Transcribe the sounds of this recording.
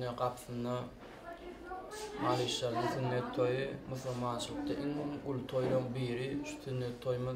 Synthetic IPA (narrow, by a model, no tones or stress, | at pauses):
eqɑpʰθɯnd̪ɑ | mɑlˠiʃlɑɾd̪ɯθynːet̪ʰːo̞jɯmɯθɑlmɑnt͡ʃʰɯlˠɯq̚t̪ɑʔiŋhomɡulˠt̪ʰo̞jɾoŋbiːɾiʃu̥θynːet̪ʰːo̞jmɯ